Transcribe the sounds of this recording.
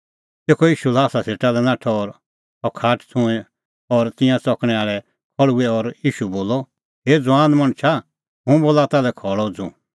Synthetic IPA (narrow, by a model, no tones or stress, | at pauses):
t̪eːkʰɔjiːʃulaːsaseːʈalɛnãːʈʰɔɔɾ | ɔkʰaːʈʰt͡sʰʊ̃ɛ̃ | ɔɾt̪ɪ̃jãt͡sɔkɽ̃ɛaːɭɛ | kʰɔɽuɛɔɾjiːʃuboːlɔ | ɦeːd͡zʊãːnmɐ̃ñt͡ʃʰa | ɦũboːlat̪alɛkʰɔɭɔd͡zṵ̃